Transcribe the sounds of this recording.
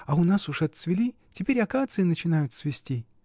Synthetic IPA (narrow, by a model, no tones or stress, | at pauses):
ɐʊnasʊʂɐt̪svʲɪlʲi | tʲɪpʲeɾʲɐkat̪sɨɪnət͡ɕɪnajʊt̪svʲɪsʲtʲi